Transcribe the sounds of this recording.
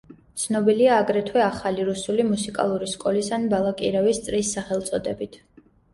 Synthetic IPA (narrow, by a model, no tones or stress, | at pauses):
t̪sʰnɔbiliaːɡɾɛt̪ʰwɛaχaliɾusulimusikʼa̰lˠuɾiskʼɔlisanbalˠakʼiɾɛvist̪sʼɾisːaχɛlˠt̪sʼɔd̪ɛbit̪ʰ